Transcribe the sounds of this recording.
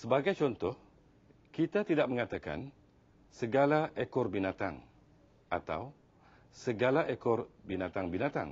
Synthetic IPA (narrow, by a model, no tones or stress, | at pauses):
səbaɡajt͡ʃɔnt̪ɔh | kit̪at̪idaʔ̚məŋat̪aka̰n | səɡalaʔekɔrbinat̪a̰ŋ | ʔat̪a̰w | səɡalaʔekɔrbinat̪aŋbinat̪a̰ŋ